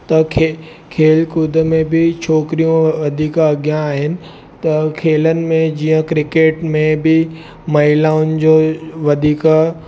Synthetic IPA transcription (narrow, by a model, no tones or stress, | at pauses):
t̪ɐkʰe | kʰeːlkud̪ʱəmẽbɪt͡ɕʰoːkɾijõʋɐd̪ʱiːkɐɡjãaːɦɪnɪ̆ | t̪ɐkʰeːlənɪ̆mẽd͡ʑiːə̃kɾɪkeːʈmẽbɪ | mɐɦɪlaːʊnd͡ʑoːʋɐd̪ʱiːk